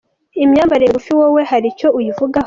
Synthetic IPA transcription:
imɲaːmbaɾejɡufiwowe̞haɾico̞ʔujivuɡah

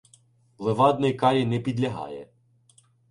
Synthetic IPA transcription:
lˠeʋɑd̪nɪjkɑɾʲinɛpʲid̪lʲɐɦɑ̰jɛ̰

